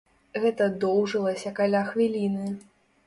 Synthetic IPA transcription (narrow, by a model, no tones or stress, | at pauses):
ɣɛt̪ɐd̪ɔwʐɨlˠɐsʲɐkalʲaxvʲilʲinɨ